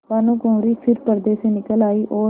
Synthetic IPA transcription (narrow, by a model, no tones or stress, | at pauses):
paːnũːkõːɾiːpʰɪɾpəɾd̪eːseːnɪkəlaːiːʔoː